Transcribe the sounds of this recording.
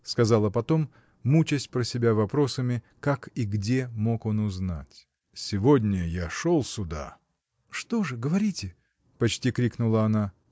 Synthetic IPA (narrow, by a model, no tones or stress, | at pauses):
skɐzalˠəpɐt̪o̞mː | ut͡ɕɪsʲtʲpɾəsʲɪbʲavɐpɾo̞səmʲɪ | kakiɡdʲe̞mo̞ko̞nʊzna̰tʲ | sʲɪvodʲnʲəjaʂolˠsʲʊd̪a̰ | ʂt̪o̞ʐɨɡəvɐɾʲitʲɪ | pɐt͡ɕtʲikɾʲiknʊlˠəɐna